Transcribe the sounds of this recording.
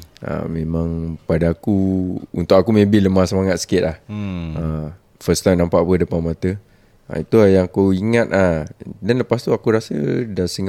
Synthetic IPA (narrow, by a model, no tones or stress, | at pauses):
ʔa̰mẽmãŋpadaːkuṵnt̪ʊkakumẽbɪləmahsəmaŋat̪̚sə̥kɪt̪̚laha | fəst̪ajmnãmpaʔapədəpanmãt̪ə | a̰it̪uajaŋakoiŋat̪̚adanləpast̪uakuɾasə̰dasəŋ